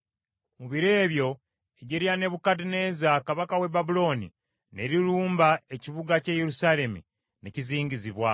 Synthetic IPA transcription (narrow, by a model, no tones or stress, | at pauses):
muβiɾe̞ːβjo̞ | eɟeɾjane̞βukadine̞ːzakaβakawe̞babulo̞ːnḭ | neɾiɾuːmbae̞ciβuɡaceːjeɾusaːle̞mḭ | neciziːɲɟiziβwa